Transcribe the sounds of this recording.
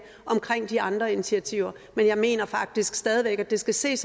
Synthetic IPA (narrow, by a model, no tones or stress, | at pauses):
ʔɒ̽mkʰʁeŋ̰d̥iɑ̈nd̥ʁɐinit͡sʰiæt͡sʰiʊ̰ɐ | menjɑ̈ɪme̝̰ːnɐfɑ̈ɡ̥̚d̥isɡ̥sd̥ɛːð̞ˠiʋeɡ̥æd̥e̝sɡ̥æse̝̰ːs